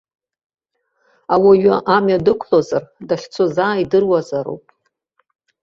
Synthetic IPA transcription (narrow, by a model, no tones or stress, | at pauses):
awaɥaʔamjadɨkʷʰlozardaχʲt͡sʷʰozaːidɨrwazaɾo̰wpʼ